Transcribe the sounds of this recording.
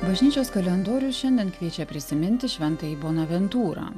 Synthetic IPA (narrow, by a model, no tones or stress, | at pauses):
bɐʒʲnʲiːt͡ʃʲoːskɐlʲɛnd̪oːɾʲʊʃʲɛnʲd̪ʲiɛnkʋʲiɛt͡ʃʲɛpʲɾʲɪsʲɪmʲɪnʲt̪ʲɪʃʲʋʲɛnt̪ɐiːboːnɐʋʲɛnt̪uːɾɑ̰ː